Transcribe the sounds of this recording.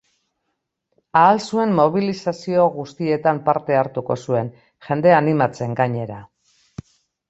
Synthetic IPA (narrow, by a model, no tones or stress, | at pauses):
aːlsue̞mmo̞β̞ilisasio̞ɣust̪ie̞t̪ampaɾt̪e̞aɾt̪uko̞sue̞n | xe̞nd̪e̞animat͡se̞ŋɡaɲe̞ɾa